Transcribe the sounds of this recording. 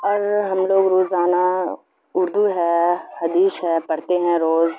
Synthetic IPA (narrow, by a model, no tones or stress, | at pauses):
ɔɾɦəmloːɡɾoːzaːnaː | ʊɾd̪uːɦɛːhəd̪iːsɦɛːpəɽt̪eɦɛ̃ːɾoːz